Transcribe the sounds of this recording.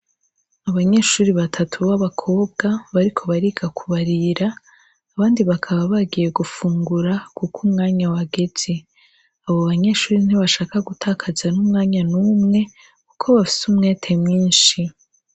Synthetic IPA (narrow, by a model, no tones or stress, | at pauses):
aβaɲe̞ʃuːɾiβatʰatʰuβaβakʰo̞ːbɡaβaɾikʰo̞βaɾiɡakʰuβaɾiɾaː | βaːndiβakʰaβaβaɡije̞ɡufuːŋɡuɾakukʰumŋaːɲawaɡe̞z̥e | aβoβaɲe̞ʃuːɾin̥iβaʃaːkaɡutʰaːkʰazanumŋaːɲanumŋe̞ | kukʰo̞βafi̥sumŋeːtʰe̞mŋiːnʃi